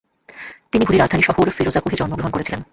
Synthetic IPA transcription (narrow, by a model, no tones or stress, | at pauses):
t̪inibʱuɾiɾad͡ʑd̪aniʃɔhoɾfiɾod͡ʑakoɦed͡ʑɔnmoɡɾoɦonkoɾet͡ɕʰilen